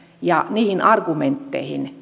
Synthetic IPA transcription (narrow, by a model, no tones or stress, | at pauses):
jɑniːhinɑrɡ̥ument̪ːḛhḭn